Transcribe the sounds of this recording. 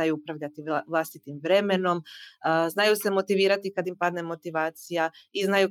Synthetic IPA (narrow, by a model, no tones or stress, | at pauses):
ajuupɾaʋʎat̪iʋlˠast̪it̪imʋɾe̞me̞no̞mznajusemo̞t̪iʋiːɾat̪ikad̪impad̪ne̞mo̞t̪iʋaːt̪sijaiznaju